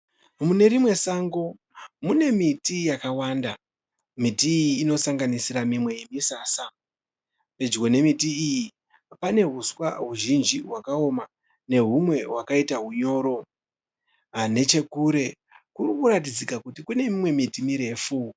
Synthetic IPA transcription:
mune̞ɾimwe̞saːŋɡo̞ | mune̞mitijakawanda | mitiːjiːno̞saŋɡanisiɾamimwe̞jimisaːsa | pe̞d͡ʒɡo̞ne̞mitiiji | pane̞ɦuswa̰ɦuʒind͡ʒiɦwakao̞ma | ne̞ɦumwe̞ɦwakaitaɦuɲo̞ːɾo̞ | ne̞t͡ʃe̞kuɾe̞ | kurikuɾat̬id͡zikakutikune̞mimwe̞mitimiɾe̞fu

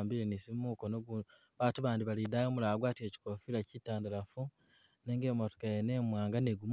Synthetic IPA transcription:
mbiɾenisimuːkonoɡu | βaːtuβaːndiβalidajoːmulaaɡwaːtie̞ci̥kofilacitaːndaɾafu | neːŋɡeːmoto̥kajene̞mwaːŋɡaneɡum

